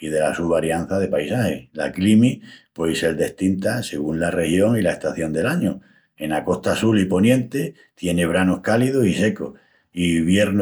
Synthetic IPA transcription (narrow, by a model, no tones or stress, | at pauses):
ið̞e̞lasuβaɾjan̟θaðe̞pajsahela̰klimipwese̞ɾd̪e̞ht̪int̪ase̞ɣunlare̞hjo̞ŋilae̞ht̪aθjo̞nd̪e̞laɲo | e̞nako̞ht̪asulipo̞njẽ̞nt̪e | t̪je̞ne̞β̞ɾano̞hkalið̞osise̞ko̰ | iβje̞ɾn